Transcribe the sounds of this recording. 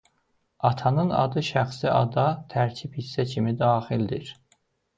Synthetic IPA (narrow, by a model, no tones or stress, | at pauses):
ɑt̪ʰɑnɯnɑ̰d̪ɯʃæxsiʔɑ̰d̪ɑt̪ʰæɾcʰiphisːæcʰimid̪ɑːxild̪iɾ